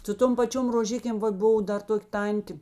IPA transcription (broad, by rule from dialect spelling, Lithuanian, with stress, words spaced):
sʊ ˈtoːm pɐˈt͡ʃʲoːm roːˈʒʲɪkʲeːm ˈʋɐt ˈbʊʋoː ˈdɐr ˈtoːkʲ ˈtɐnʲtʲeː